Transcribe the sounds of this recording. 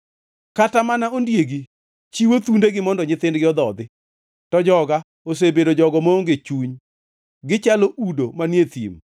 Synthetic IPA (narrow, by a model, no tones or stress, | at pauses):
katamanaondjeɡi | t͡ʃiwot̪undeɡɪmɔndɔɲɪt̪ɪndɡɪɔd̪ɔd̪ɪ | tɔd͡ʒɔɡa | os̬ebedod͡ʒɔɡɔmooŋɡet͡ʃuɲ | ɡɪt͡ʃaloʔudomanjet̪ḭm